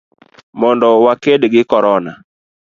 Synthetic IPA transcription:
mɔndɔwakedɡɪkɔɾɔna

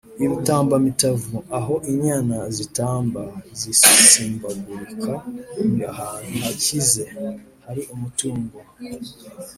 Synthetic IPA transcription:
iβitaːmbamitavuaɦo̞ʔiɲaːnazitaːmbazisisiːmbaɡuɾikʰaahaːnhuhacize̞ | haɾiʔumutuːŋɡo

